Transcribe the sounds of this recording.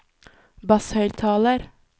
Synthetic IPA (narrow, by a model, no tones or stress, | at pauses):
bɑshœʏlt̪ʰɑːləɾ